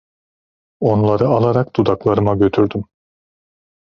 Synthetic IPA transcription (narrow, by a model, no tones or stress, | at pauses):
o̞nlˠaɾɯalˠaɾakd̪̥ud̪aklˠaɾɯmaɟø̞t̪ʰyɾd̪ym